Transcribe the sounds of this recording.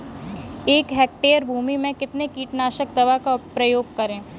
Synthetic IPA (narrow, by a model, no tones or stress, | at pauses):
eːkɦɛːk̚ʈeːəɾbʱuːmimẽkɪt̪nekiːʈnaːʃək̚d̪ɐʋakapɾɐjoːɡ̚kɐɾẽː